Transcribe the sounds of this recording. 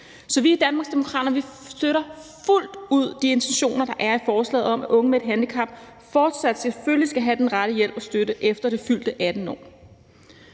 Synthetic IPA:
sɒ̽ʋiæd̥ænmɑ̈ːɡsd̥e̝mo̝kʰʁɑ̰̈ːd̥ɐnʋi | sd̥øɾɐful̰d̥uð̞̰ˠd̥ie̝nt͡sʰeɕo̝̰ːnɐd̥ɑ̈ʔæɐifɒːslɛ̰ːð̩ˠɒ̽mæʔɔ̽ŋəmed̥ɦænlikʰɑ̈mb̥fɒːd̥sæd̥selføllisɡ̥æɦæd̥enʁaɾ̥əjel̰b̥ɒ̽sd̥øɾəʔefd̥ɐɾ̥e̝fyl̰d̥əʔæd̥n̩ɒ̰ː

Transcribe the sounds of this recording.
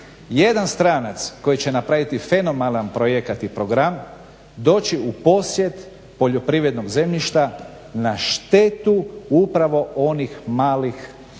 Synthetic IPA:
je̞d̪anst̪ɾaːnat̪sko̞jit͡ɕe̞napɾaʋit̪ife̞no̞mananpɾo̞jekat̪ipɾo̞ɡɾam | d̪o̞ːt͡ɕiupo̞sje̞t̪ | po̞ʎo̞pɾiʋɾe̞d̪no̞ɡze̞mʎiʃt̪a | naʃt̪e̞t̪uupɾaʋo̞o̞nixmaːlix

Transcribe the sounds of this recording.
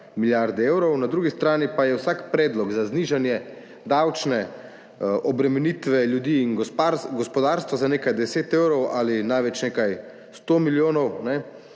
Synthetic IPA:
miljaɾd̪ɛeːwɾɔwnad̪ɾuːɡist̪ɾaːnipajɛwsaːkpɾɛːd̪lɔɡzazniʒanjɛ | d̪awt͡ʃnɛ | ʔɔbɾɛmɛniːt̪ʋɛljud̪iːnɡpaɾɡɔspɔd̪aːɾst̪ʋazaneːkajd̪ɛseːt̪eːwɾɔwʔaːlinajʋɛt͡ʃnekaj | st̪oːmiljoːnɔwnɛ

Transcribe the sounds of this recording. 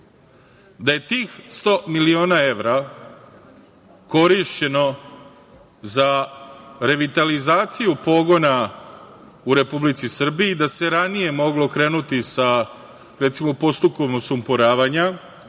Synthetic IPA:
d̪aje̞t̪iːxst̪o̞milio̞ːnae̞ʋɾa | ko̞ɾiʃt͡ɕe̞no̞ | za | ɾe̞ʋit̪alizaːt̪sijupo̞ːɡo̞na | uɾe̞publit̪sisr̩biid̪ase̞ɾanije̞mo̞ɡlo̞kɾe̞ːnut̪isa | ɾet̪simopo̞st̪uko̞msumpoɾaːʋaɲa

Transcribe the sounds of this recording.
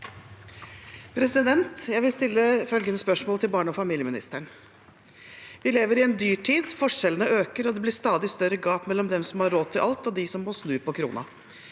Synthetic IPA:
pʰɾɛsɪd̪ɛnt̪jæɪʋɪlst̪ɪlːəfœlɡənəspœʂmoːlt̪ʰɪlbɑːɳəɔfɑmiːljəmɪnɪ̰st̪əɳ | ʋɪleːʋəɾɪɛnd̪yːʈʰiːd̪fɔʂɛlənəøːkəɾɔd̪ɛblɪst̪ɑːd̪ɪst̪œɾəɡɑːpmɛlːɔmd̪ɛmsɔmhɑɾoːt̪ʰːɪlʔɑlt̪ɔd̪ɪsɔmːoːsnʉːpʰɔkʰɾṵːnɑ̰

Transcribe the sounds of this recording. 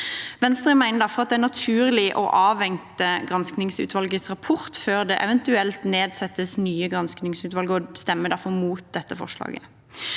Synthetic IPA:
ʋɛnst̪ʁɛmæɪnəd̪ɑfɔʁɑt̪̚d̪ɛænɑt̪ʰʉːʁlɪʔɔ̰ʔɑːʋɛŋt̪əɡʁɑnsknɪŋsʉ̰ːt̪ʋɑlɡəsʁɑpʰɔʁt̪føːʁd̪ɛʔɛʋɛnt̪ʉɛlt̪neːd̪sɛt̪ːəsnyːəɡʁɑnsknɪŋsʉːt̪ʋɑlɡəɔst̪ɛmːəd̪æʁfɔʁmuːt̪̚d̪ɛt̪ːəfɔ̰ʂlɑ̰ːɡə

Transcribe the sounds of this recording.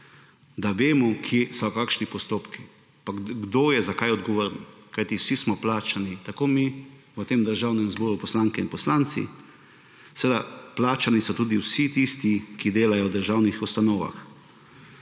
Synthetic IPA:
d̪aʋeːmɔkʰjeːsɔkaːkʃnipɔst̪oːpki | paɡɡd̪oːjɛzakajɔd̪̚ɡɔʋoːɾnkajt̪iwsismɔplaːt͡ʃanit̪akomi | ʋət̪emd̪əɾʒaːwnɛmzbɔːɾupɔslaŋkɛinpɔslaːnt̪sḭ | səʋeːd̪aplaːt͡ʃanisɔt̪uːd̪iwsit̪ist̪ikid̪eːlajɔwd̪əɾʒawnixust̪anoːʋa̰x

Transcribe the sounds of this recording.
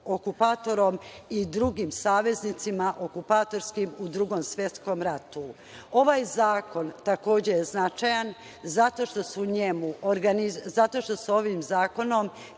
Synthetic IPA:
o̞kupaːt̪o̞ɾo̞mid̪ɾuɡimsaːʋe̞znit̪simaʔo̞kupaːt̪o̞ɾskimud̪ɾuɡo̞msʋʲjet̪sko̞mɾat̪u | o̞ʋaːjzaːko̞nt̪ako̞ːd͡ʑejeznat͡ʃajan | zat̪o̞ʃt̪o̞suuɲe̞muʔoɾɡanizat̪o̞ʃt̪o̞so̞ʋimzaːko̞no̞m

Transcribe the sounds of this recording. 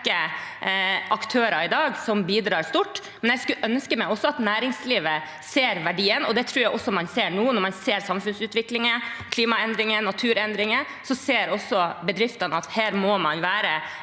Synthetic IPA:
kə | ʔɑkt̪ʰøːɾɑɾɪd̪ɑːɡsɔmbiːd̪ɾɑːɾst̪uːʈː | mɛnjɛɪskʉʔœnskəmæɪɔsːɔɑt̪næːɾɪŋsliːʋə | seːɾʋæɖiːənɔd̪ɛt̪ʰɾuːjæɪʔɔsːɔmɑnseːɾɳuːənɔɾmɑnseːɾsɑmfʉnsʉːt̪ʋɪklɪŋəkʰliːmɑɛnd̪ɾɪŋənɑt̪ʰʉːɾɛnd̪ɾɪŋə | sɔseːɾɔsːɔbɛd̪ɾɪft̪ənəɑt̪hæːɾmɔmɑnʋæːɾə

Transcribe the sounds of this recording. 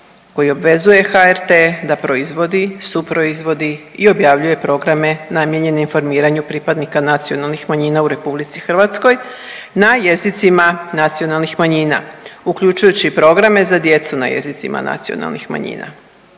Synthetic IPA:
ko̞jio̞bʋe̞zuje̞xaeɾt̪e̞ːd̪apɾo̞izʋo̞d̪isupɾoizʋo̞d̪iːo̞bjaːʋʎuje̞pɾo̞ɡɾame̞namje̞ɲe̞neinfo̞ɾmiːɾaɲupɾipad̪nikanat̪sio̞nalˠnixmaɲiːnauɾe̞publit̪sixrʋat̪sko̞j | naje̞zit̪simanat̪sio̞nalˠnixmaɲiːna̰ukʎut͡ʃujut͡ɕipɾo̞ɡɾame̞zad̪je̞t̪suna̰jḛzit̪sḭma̰na̰t̪sio̰na̰lˠnḭxma̰ɲḭːna̰

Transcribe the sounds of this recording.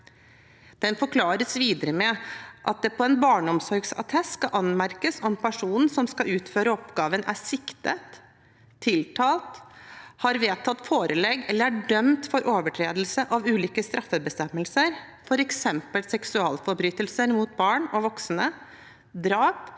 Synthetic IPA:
d̪̥ɛnfɔɾkʰlɑːɾəsʋiːd̪əɾəmɛʔɑt̪̚d̪ɛpʰɔɛnbɑːɳɔmsɔɾɡsɑ̰t̪ʰɛskɑʔɑnmæɾkəsɔmpʰæʂuːnn̩sɔmskɑʉːt̪føːɾəɔpɡɑːʋənʔæ̰sɪkt̪ət̪ʰː | ɪlt̪ʰɑːlt̪hɑɾʋeːt̪ʰɑt̪ːfoːɾəlɛɡːɛlːəɾæɖœmt̪fɔɾʔoːʋəʈʰɾeːd̪əl̩səʔɑʋʉːliːkəst̪ɾʔɑfːəbəst̪ɛmːəlsəɾ | fɔɾɛksɛmpəlsɛksʉɑːlfɔɾbɾyːt̪əlsəɾmuːt̪̚bɑːɳɔʋɔksnə | d̪ɾɑːp

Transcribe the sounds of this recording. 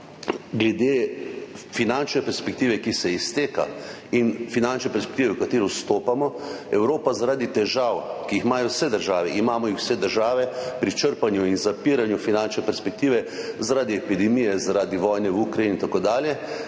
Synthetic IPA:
ɡlɛd̪e | finant͡ʃnɛpɛɾspɛk̚t̪iːʋɛkisɛist̪eːka̰ | infinant͡ʃnɛpɛɾspɛ̥kt̪iːʋɛwkat̪eːɾist̪oːpamɔɛwɾoːpazaɾaːd̪it̪ɛʒawkijixmaːjɔwsɛd̪əɾʒaːʋɛʔimaːmɔixw̥sɛd̪əɾʒaːʋɛpɾit͡ʃəɾpanjuinzapiɾanjufinant͡ʃnɛpɛɾspɛk̚t̪iːʋɛzaɾaːd̪iɛpid̪ɛmijɛzaɾaːd̪iʋɔːjnɛwukɾajinint̪akoːd̪aːljɛ

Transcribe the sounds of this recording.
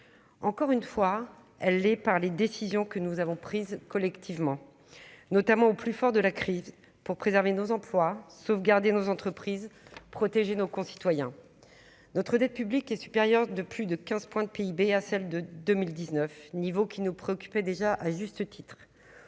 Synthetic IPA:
ɑ̃kɔʁynfwa | ɛlːɛpaʁled̪esizjɔ̃kənuzavɔ̃pχizkɔlɛkt̪ʰivmɑ̃ | nɔt̪amɑ̃oplyfɔʁd̪əlakχiz | puʁpχezɛʁvenozɑ̃plwasofɡaʁd̪enozɑ̃t̪χəpχizpχɔt̪eʒenokɔ̃si̥t̪wajɛ̃ | nɔt̪χəd̪ɛt̪̚pyblikɛsy̥peʁjœʁd̪əplyd̪əkʲɛ̃zpwɛ̃d̪əpeibeasɛld̪əd̪ømild̪iznœfnivokʲinupχeɔkʲy̥pɛd̪eʒaʔaʒyst̪ət̪ʰit̪χ

